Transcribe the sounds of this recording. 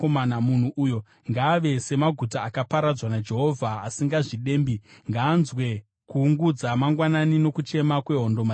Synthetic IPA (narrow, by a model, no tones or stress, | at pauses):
omanamun̤uʔujo̞ | ŋɡaːʋe̞se̞maɡʱutaːkapaɾad͡zwanad͡ʒe̞ɦo̞vʱaːsiŋɡaʐiɗe̞ːmbiŋɡaːnzwe̞ | kuːŋɡud͡zamaŋɡwananino̞kut͡ʃe̞makwe̞ɦo̞ndo̞ma